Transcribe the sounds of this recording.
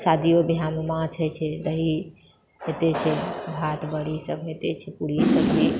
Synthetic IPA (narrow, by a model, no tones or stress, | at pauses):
sad̪ijobʱijammãt͡ʃʰəjt͡ʃʰɛd̪əɦi | ɦet̪et͡ʃʰɛbʱat̪bəɽisəbʱɦet̪et͡ʃʰɛpuɾisəbd͡ʒi